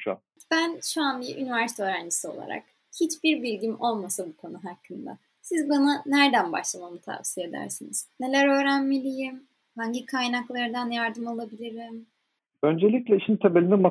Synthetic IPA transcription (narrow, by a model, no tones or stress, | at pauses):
ʃa̰ | b̥ænʃuanbiɾʔynivæɾse̥t̪ʰoøɾænd͡ʒisio̞lˠa̰ɾa̰k | hit͡ʃbiɾbilʲɟimʔo̞lˠmasabukʰo̞nuɦakʰːɯnd̪a̰ | sizbananæɾd̪ænba̰ʃlˠamamɯt̪ʰa̰vsije̞d̪æ̰ɾsiniz̥ne̞lʲæɾø̞ːɾænmilʲijim | haɲɟikʰajnaklˠaɾɯd̪anjaɾd̪ɯmalˠabilʲiɾim | ø̞nd͡ʒelʲicʲlʲɛiʃint̪ʰebelʲinɛma